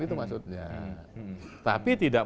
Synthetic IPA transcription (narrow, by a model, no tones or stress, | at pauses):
it̪umaksut̪̚ɲa̰ | t̪a̰pit̪idaʔ